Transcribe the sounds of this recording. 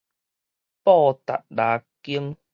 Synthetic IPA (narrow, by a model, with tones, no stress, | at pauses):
pɔː˥˧t̪a̰˨t̚laː˨˧ki˦əŋ